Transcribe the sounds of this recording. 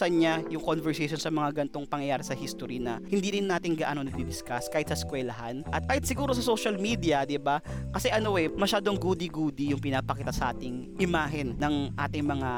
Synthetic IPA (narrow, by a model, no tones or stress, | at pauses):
sɐnɲajʊŋkonvɛɹsɛjʃonsɐmɐŋaɡɐnt̪o̞ŋpɐŋjɐjaːɾɐsɐhist̪oɾinɐhɪnd̪iːɾɪnːaːt̪ɪŋɡɐʔaːnonɐɡ̚b̪ɪd̪ɪskaskaːhɪt̪̚sɐskwɛlɐɦanʔɐt̪̚kaːhɪt̪sɪɡuːɾosɐsoʃɐlmiːd̪iɐd̪ɪbakɐsɛʔɐno̞ʔɛmɐʃaːd̪oŋɡud̪iɡuːd̪ijʊŋpɪnaːpɐkiːt̪ɐsɐʔa̰ːt̪ɪŋ | ʔɪmaːɦɪnnɐŋʔa̰ːt̪ɪŋmɐŋa